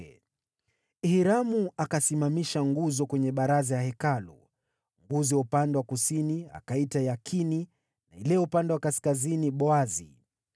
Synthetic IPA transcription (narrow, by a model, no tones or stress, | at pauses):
hiɾamuakasimamiʃaŋɡuzɔkwɛɲɛɓaɾazajahɛkalṵ | ŋɡuziwaupandɛwakusinia̰kaitajakʰini | nailɛupandɛwakaskaziniɓɔazḭ